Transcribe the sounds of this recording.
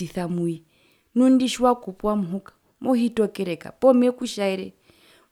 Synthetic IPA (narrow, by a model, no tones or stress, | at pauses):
iθamui | nundiʃwakupuwamuɦukḁ | mɔhitɔkɛɾɛka̰pɔmɛkuʃaɛɾɛ